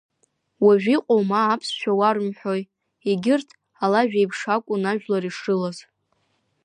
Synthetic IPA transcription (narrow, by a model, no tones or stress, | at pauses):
waʒᶣʷiqʷʼowmaːpʰsʃᶣawarmħʷᶣoj | eɡʲɪrtʰ | alaʒᶣajpʰʂakʷʼʊnaʒᶣlaɾiʂɨlaz